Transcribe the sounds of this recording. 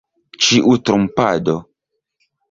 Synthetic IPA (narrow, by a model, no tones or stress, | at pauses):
t͡ʃiʔutɾumpa̰do